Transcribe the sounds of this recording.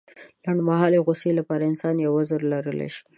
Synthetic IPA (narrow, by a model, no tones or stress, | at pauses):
laɳɖmaɦɑleɣʊselapɑɾaɪnsɑnjawazəɾlaɾəlḛʃi̥